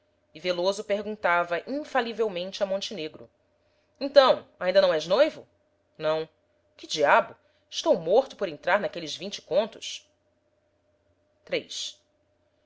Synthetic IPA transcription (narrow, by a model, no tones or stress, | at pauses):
ɪvelozʊpeɦɡũnt̪avɐʔĩfalivewmẽnt͡ʃɪɐmõnt͡ʃineɡɾʊ̰ | ẽt̪ɐ̃w̃aĩdɐnɐ̃w̃ɛʒnojvʊ | nɐ̃w̃ | kɪd͡ʒiabʊ | ɪʃt̪owmoχt̪ʊpoɾẽnt̪ɾaɾnakelɪzvĩnt͡ʃɪ̥kõnt̪ʊs | t̪ɾejs